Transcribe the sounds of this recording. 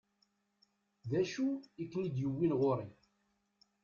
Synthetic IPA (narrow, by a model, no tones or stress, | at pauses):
ðæʃuikːnid̪jəwːinʁʊɾi